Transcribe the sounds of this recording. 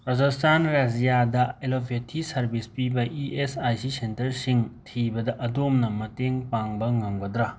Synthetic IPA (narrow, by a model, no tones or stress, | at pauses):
ɾɐd͡ʒɐstʰanɾesijadɐelopʰetʰːisɐɾbispibɐʔiesajsisentɐɾsiŋtʰibɐdɐʔɐdomnɐmɐteŋpaŋbɐŋɐŋbɐdɾa